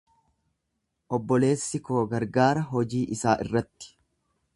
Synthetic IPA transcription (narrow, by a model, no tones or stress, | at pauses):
ʔɔbːɔle̞ːsːɪko̞ːɡɐɾɡaːɾɐɦɔd͡ʒiːʔɪsaːʔɪ̰rːɐt̪ːɪ̥